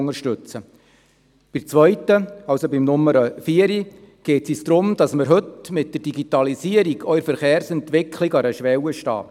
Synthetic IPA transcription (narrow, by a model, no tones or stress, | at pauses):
ŋəɾʃtʏt͡sə | b̥ɪmt͡sʋœʏtːəɑwsobɪmnʊmːəɾəfiəɾi | ɡ̥eːtsisd̥̪ɾʊmd̥ɑsməɾɦɵtmɪt̚d̥ərd̥iɡitɑlisiəɾiɡʰœʏɾfəɾχeːɾsɛntʋɪkʰliɡɑɾəʃʋɛwəʃtɑ̰ː